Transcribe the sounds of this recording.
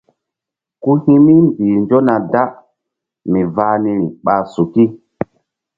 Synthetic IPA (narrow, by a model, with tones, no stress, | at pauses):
ku˦hĩ˦mi˦mbiː˨nd͡ʒo˦na˨da˦ | mi˨vaː˦ni˧ɾi˨ɓaː˨su˨ki˦